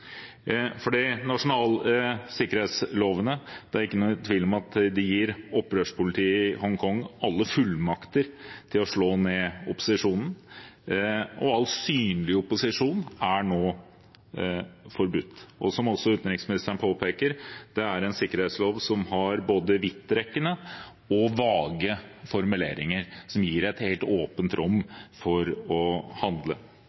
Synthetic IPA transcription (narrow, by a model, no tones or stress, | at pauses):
fɔɖiːnɑʂʊnɑːlsɪkːəɾheːt̪sloːʋənəd̪̥ɛæɾɪkːənuːt̪ʰʋiːlɔmɑt̪d̪ɛjiːɾɔpːɾøːʂpʰʊlɪt̪ʰiːəɪhɔŋkʰɔŋɑlːəfʉlmɑkt̪əɾt̪ʰɪlɔʂɭoːneːʊpʊ̥sɪʂuːnn̩ | ʔɔɑlsyːnlɪʊpʊsɪʂuːnæɳoː | fɔɾbʉt̪ːʔɔsɔmɔsːɔʉːt̪nɾɪksmɪnɪst̪əɳəpʰoːpʰeːkəɾd̪̥ɛæɾɛnsɪkːəɾhet̪sloːʋsɔmhɑɾboːd̪əʋɪt̪ːɾɛkːənə | ɔʋɑːɡəfɔɾmʉlḛːɾɪŋəɾsɔmjiːɾɛt̪heːlt̪oːpənt̪ɾʔɔmːfɔɾɔhɑnd̪lə